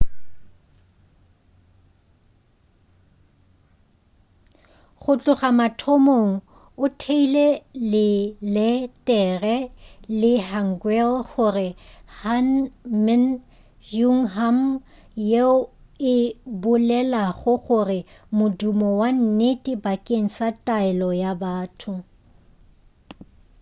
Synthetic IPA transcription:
χʊt͡ɬʼʊχamatʰɔmoŋ̩ | ʊtʰeilelɪlɛtʼɛrɛlɪhaŋ̩ɡwɛlɣʊrɪhanmɛn | juŋ̩ɦam | je | ɪbʊlɛlaχʊχʊrɪmʊdumɔwan̩netʼɪbakʼeŋ̩satʼaɪlɔjabaːtʰʊ

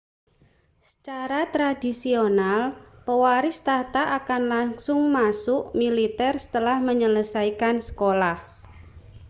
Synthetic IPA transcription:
sə̥t͡ʃaɾat̪ɾadisionalpəwaɾɪst̪at̪aʔakanlaŋsʊŋmasʊʔmilit̪ɛrsə̥t̪əlahməɲələsaikansə̥kolah

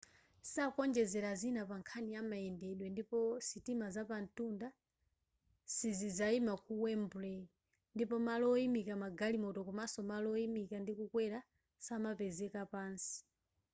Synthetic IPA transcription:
sakɔnd͡ʒɛzɛɾazinapaŋkʰaniamaɛndɛɗwɛndipɔsitimazapan̩tunda | sizizaimakuwɛmbulɛ | ndipɔmalɔimikamaɡalimɔtɔkɔmasɔmalɔimikandikukwɛɾa | samapɛzɛkapaːnsi̥

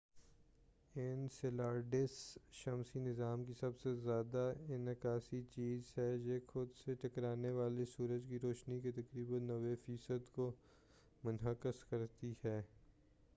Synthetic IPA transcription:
ɪnsɪlaːɾɖɪsʃɐmsinɪzaːmkisɐbsezjaːd̪aɪnɪkaːsit͡ʃiːzɦɛːjeːxʊd̪seʈɐkɾaːneʋaːlesuːɾəd͡ʒkiɾoːʃniket̪ɐkɾiːbə̃nːɐʋefiːsəd̪ko | mʊnɦəkəskɐɾt̪ihɛː

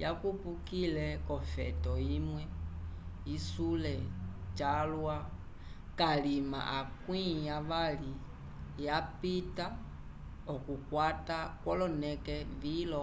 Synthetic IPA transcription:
ja̰kupukilɛkɔfɛ̰tɔimwɛ | isulɛt͡ʃalwa | kalima̰ʔakwĩjaʋali | japita | ɔkukwatakwɔlɔnɛkɛvilɔ

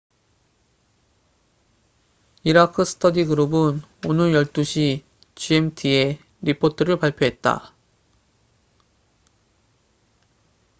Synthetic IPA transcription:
iɾakʰɯsʰɯ̥tʰʌdiɡɯɾubɯnonɯɭjʌɭt͈uɕʰi | t͡ɕiemtʰie̞ | ɾipʰotʰɯɾɯɭpaɭpʰjoɦe̞t̚t͈a̰

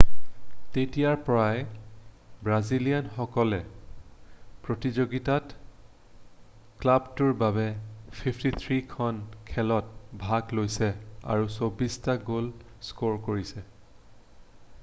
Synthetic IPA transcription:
tetijaɹpɔɹaj | bɹazilijanxɔkɔlɛ | pɹotizoɡitat | klabtuɹbabɛpʰipʰtit̪ʰɹikʰɔnkʰɛlɔt̚bʱaɡlojsɛa̰ɹusobistaɡol | skoɹkoɹisɛ

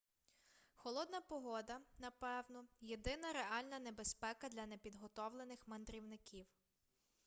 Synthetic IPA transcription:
xɔlˠɔd̪nɐpɔɦɔd̪ɐnɐpɛwnɔjed̪ɪnɐɾeɑlʲnɐnebe̞spɛkɐd̪lʲɐnepʲid̪ɦɔt̪ɔwlˠenɪxmɐnd̪ɾʲiwnɪkʲiw

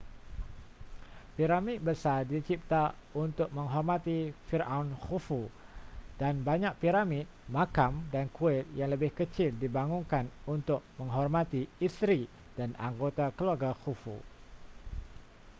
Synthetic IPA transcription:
piɾamɪt̪̚bəsadit͡ʃip̚t̪aunt̪ʊk̚mə̃ŋɦɔrmãt̪ifirʔaunxufu | danbaɲãk̚piɾamit̪̚mãkamdankuɛt̪̚jaŋləbɪhkət͡ʃɪldibaŋuŋkanunt̪ʊk̚mə̃ŋɦɔrmãt̪iist̪ɾi | d̥ana̰ŋɡot̪akəluarɡaxufṵ

